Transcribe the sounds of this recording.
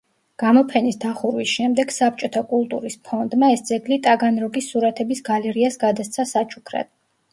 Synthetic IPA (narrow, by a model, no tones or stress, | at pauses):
ɡ̥amɔpʰɛnisd̪aχuɾwisʃɛmd̪ɛɡ̥sap̚t͡ʃʼɔt̪ʰakʼulˠt̪ʼṵɾispʰɔnd̪maɛsd̪zɛɡ̪lit̪ʼaɡanɾɔɡisːuɾat̪ʰɛbisɡalɛɾiasɡad̪ast̪sʰasat͡ʃʰukʰɾa̰d̪̥̚